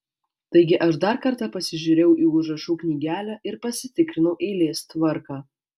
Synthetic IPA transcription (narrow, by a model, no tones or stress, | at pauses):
t̪ɐɪɡʲɪʔɐʃd̪ɑɾkɐɾt̪ɑːpɐsʲɪʒʲuːɾʲɛːɛʊʔiːʊʒɾɐʃuːknʲiːɡʲæːlʲæʔɪɾpɐsʲɪt̪ʲɪkɾʲɪnɐʊʔeːlʲeːst̪ʋɐɾkɑː